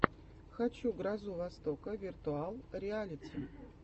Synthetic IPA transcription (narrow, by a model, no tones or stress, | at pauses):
xat͡ɕuɡrazuvast̪okəvʲɪrt̪ualˠɾʲɪalʲɪtʲɪ